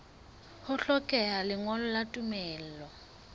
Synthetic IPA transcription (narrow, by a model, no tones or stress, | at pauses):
hʊɬɔkʼɛalɪŋwɔlɔlatʼumɛːl̩ːlɔ